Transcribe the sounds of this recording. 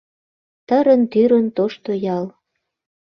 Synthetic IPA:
t̪əɾənt̪yɾənt̪oʃt̪ojɑl

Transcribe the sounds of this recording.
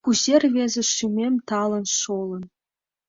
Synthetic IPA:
kuʑerʲvʲezʲɘ̆ʂymʲemʲt̪ɑlˠɤ̆nʂolˠɤ̆n

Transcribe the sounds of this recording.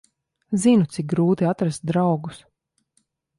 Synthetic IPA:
zinut̪sik̚ɡɾuːt̪iat̪ɾast̪̚d̪ɾawɡus

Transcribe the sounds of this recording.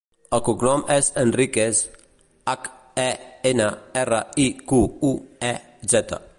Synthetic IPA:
akuknɔmʔɛsənrikes | ak | ɛenaɛrəikuuɛ | zɛt̪a̰

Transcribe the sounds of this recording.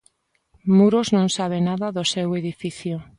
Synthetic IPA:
muɾoznõŋsaβ̞enaðaðoseweðifiθjo

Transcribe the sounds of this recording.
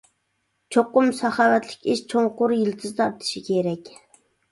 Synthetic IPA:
t͡ʃʰoqːʊmsɑχɑwɛt̪lɪ̥kʲiʃt͡ʃʰoŋqʊɾjilt̪ʰɨzt̪ɑɾ̚t̪ʰi̥ʃikʲeɾɛkʲ

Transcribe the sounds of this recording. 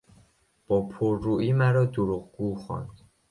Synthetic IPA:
b̥ɒːpʰoɾːuːʔiːmæɾɒːd̪oɾuɣɡuːxɒ̰ːnd̪̥

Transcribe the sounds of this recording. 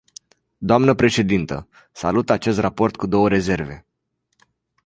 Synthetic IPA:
d̪oamnəpɾe̞ʃe̞d̪int̪ə | sa̰lut̪at͡ʃe̞s̬t̪rapo̞rt̪̚kud̪o̞wəɾe̞ze̞rve̞

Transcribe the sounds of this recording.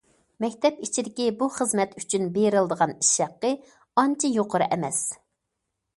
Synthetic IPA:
mɛkʲt̪ʰɛpit͡ʃʰid̪ɪkʲibuχəzmɛt̪y̥t͡ʃʰynbeɾɪlˠd̪əʁɑni̥ʃɑqːə | ɑnt͡ʃʰijoqʰəɾɨʔɛmɛs

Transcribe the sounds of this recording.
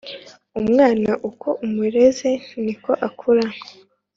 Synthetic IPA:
umŋaːnaʔukʰoʔumuɾe̞zeniko̞ʔakʰuɾaŋo

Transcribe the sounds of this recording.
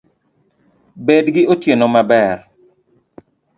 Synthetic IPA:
bedɡɪotjenomabɛr

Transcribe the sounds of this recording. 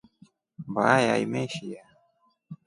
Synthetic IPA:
baajaimeʃija

